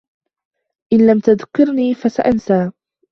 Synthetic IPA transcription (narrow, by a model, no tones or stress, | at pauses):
ʔɪnlamt̪aðkːɪɾniːfasaʔansaː